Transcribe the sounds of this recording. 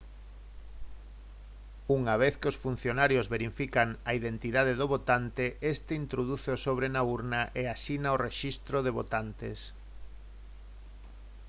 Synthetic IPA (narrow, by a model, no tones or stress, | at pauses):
uŋaβeθkɪosfun̟θjonaɾjozβeɾifikaŋaiðent̪iðað̞eðoβot̪ant̪eest̪eint̪ɾoðuθeosoβɾenauɾnaʔeasinaoreʃist̪ɾoðeβ̞ot̪ant̪es